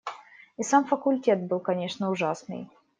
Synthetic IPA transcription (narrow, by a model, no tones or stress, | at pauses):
isamfəkʊlʲtʲe̞t̪̚bɨlˠkɐnʲe̞ʂnəʊʐasnɨ̰j